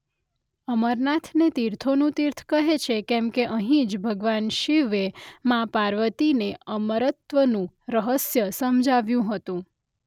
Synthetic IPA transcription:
əməɾnat̪ʰnet̪iɾt̪ʰonũt̪iɾt̪ʰkəɦet͡ʃʰekɛ̃mkeʔəɦĩd͡ʒbʱəɡʋanʃiʋemãpaɾʋət̪ineəməɾət̪ʋənũ | ɾəɦəsjəsəmd͡ʒaʋjũɦət̪ũ

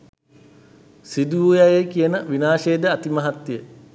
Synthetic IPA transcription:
sid̪uujajekijənəʋinaːʃeːd̪əat̪imɐɦat̪jə

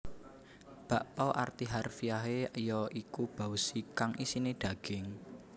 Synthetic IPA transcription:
b̥a̤ʔpɔʔa̰rt̪iɦarfijaɦejɔʔikub̥a̤usikaŋisineɖ̥ä̤ɡ̥ɪŋ

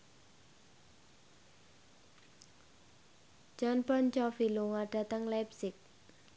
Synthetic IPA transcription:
d͡ʒ̥ɔnpɔnt͡ʃɔfiluŋaɖ̥a̤t̪əŋlapsɪk̚

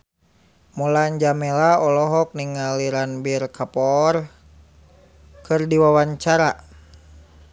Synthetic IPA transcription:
mulaɲd͡ʒamɛlaɔlɔɦɔk̚niŋaliɾanbirkʰapɔr | kɨrdiwawaɲt͡ʃaɾa

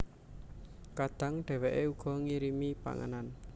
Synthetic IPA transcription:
kad̪̥a̤ŋɖ̥ɛ̤weʔeuɡ̥ɔ̤ŋiɾimipa̰ŋə̰nan

